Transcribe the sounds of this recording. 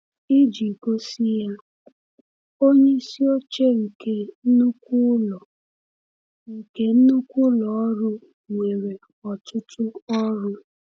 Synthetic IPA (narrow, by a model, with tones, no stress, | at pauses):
i˦d͡ʒi˨ko˦si˦ja˦ | o˦ɲe˦si˦o˦t͡ʃe˦ŋ̩˨ke˦n̩˦nu˦kʷu˦lɔ˨ | ŋ̩˨ke˦n̩˦nu˦kʷʊ˦lɔ˨ɔ˦ɾʊ˦ | ŋʷe˨ɾe˨ | ɔ˨tʊ˦tʊ˦ɔ˦ɾʊ˦